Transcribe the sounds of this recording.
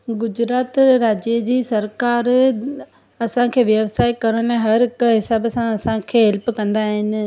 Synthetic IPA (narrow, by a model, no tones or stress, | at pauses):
ɡʊd͡ʑɾaːt̪ɾaːd͡ʑid͡ʑiːsɐɾkaːɾ | ɐsãkʰeːʋjɐʋsaːɪkɐɾəɽ̃ñɛ̃ɦɐɾɪkɦɪsaːbsãɐsãkʰeːɦɛlpkɐ̃nd̪aːɦɪnɪ̆